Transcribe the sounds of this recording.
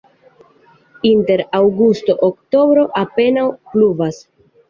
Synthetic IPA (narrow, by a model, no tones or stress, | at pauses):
inte̞ɾawɡusto̞ʔokto̞bɾo̞ʔape̞nawpluvas